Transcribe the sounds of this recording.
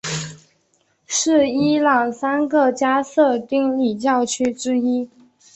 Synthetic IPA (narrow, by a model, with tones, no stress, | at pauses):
ʂɻ̩˥˩i˥lɑ˨˩ŋsa˥nɡə˨t͡ɕja˥sɤ˥˧t̪i˥ŋli˥˩t͡ɕjɑ˥˩ʊt͡ɕʰy˥ʈ͡ʂɻ̩˥i˥